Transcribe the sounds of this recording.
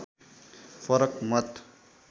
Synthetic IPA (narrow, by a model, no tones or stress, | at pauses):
pʰʌɾʌkmʌt̪